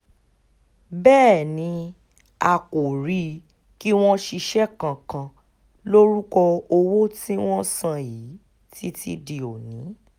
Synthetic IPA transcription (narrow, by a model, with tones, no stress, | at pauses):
bɛː˦˨nĩ˨˦ | a˨ko˨ɾi˦˨ | ki˦w̃ɔ̃˦ʃi˧ʃɛ˦kã˧˨kã˧ | lo˦ɾu˦kɔ˧o˧wo˦tĩ˦w̃ɔ̃˦sã˧ji˨˦ | ti˦tḭ˦di˧o˨nĩ˨˦